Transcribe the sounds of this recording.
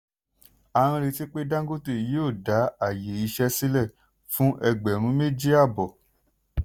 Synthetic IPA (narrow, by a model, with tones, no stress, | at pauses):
a˧ɾ̃ã˧ɾe˧ti˦k͡pe˦dã˦ɡo˦te˦˨˦joː˦˨da˨˦a˦˨je˨˦i˧ʃɛ˦si˦lɛ˦˨ | fũ˦ʔɛ˧ɡ͡bɛ˨ɾ̃ũ˨˦me˦d͡ʒi˦a˦˨bɔ˨